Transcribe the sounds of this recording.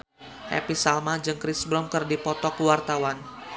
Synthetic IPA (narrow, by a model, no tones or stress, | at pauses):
hɛ̰pisalmad͡ʒɨŋkɾisbɾɔmkɨrdipɔt̪ɔkuwart̪awan